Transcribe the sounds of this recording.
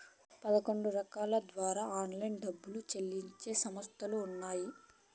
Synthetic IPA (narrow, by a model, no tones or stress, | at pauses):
pɐd̪ɐko̞ɳɖuɾɐkaːlɐd̪ʋaːɾaːaːnlɐjnɖɐbːulut͡ʃelːiɲt͡ʃe̞ːsɐmɐst̪ʰɐluːnːaːji